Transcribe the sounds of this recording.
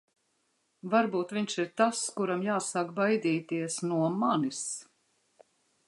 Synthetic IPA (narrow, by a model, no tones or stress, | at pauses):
vaɾbuːt̪viɲʃiɾt̪askuɾamjaːsaːkbajd̪iːt̪iɛsnuɔmanis